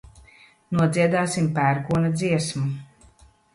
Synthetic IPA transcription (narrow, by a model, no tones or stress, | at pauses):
nuɔd̪ziɛd̪aːsimpæːɾɡuɔnad̪ziɛsmu